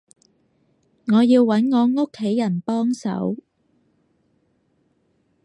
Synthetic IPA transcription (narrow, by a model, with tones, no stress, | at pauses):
ŋɔː˨˧jiː˧wːɐ˨˥nŋɔː˨˧ŋo˥kʰːe˨˥jːɐ˨˩npɔː˥ŋsɐ̰˨˥w